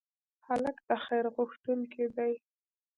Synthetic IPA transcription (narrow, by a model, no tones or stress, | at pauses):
haləkd̪̥əxajɾɣʊxt̪unked̪aj